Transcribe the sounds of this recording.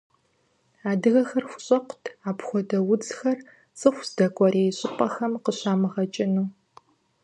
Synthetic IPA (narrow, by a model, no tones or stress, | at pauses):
aːdɨɣɐxɐrxʷʊ̥ɕʼɐqʷʊtʰaːpʰxʷɔdɐwʊd͡zxɐr | sʼɨxʷsdɐkʷʰʼɐɾeːjɕʼɪpʷʼɐxɐmqəɕaːmɨʁɐt͡ʃʼɪnuː